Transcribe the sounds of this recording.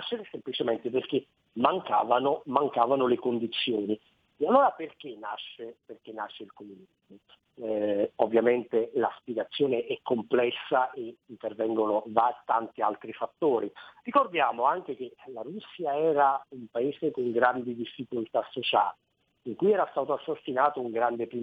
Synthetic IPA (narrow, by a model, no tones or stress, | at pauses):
aʃːeɾsemplit͡ʃemɛnt̪eperk̟e | maŋka̰ːvanomaŋkaːvanolekond̪it̪sːjoːni | ealːoːɾaperk̟ena̰ʃːeperk̟enːaʃːeilkomunizmo | ovːjament̪elaspiɡat̪sːjoːneʔɛkːomplɛsːaʔeint̪ervɛŋɡonovat̪ːant̪ialt̪ɾifat̪ːoːɾirikord̪jaːmoaŋk̟ek̟elaɾusːjaɛːɾaumpaeːzekoŋɡɾand̪id̪ifːikolt̪asːot͡ʃa̰ːli | iŋkujɛːɾast̪aːt̪oasːast̪inaːt̪ouŋɡɾand̪epɾi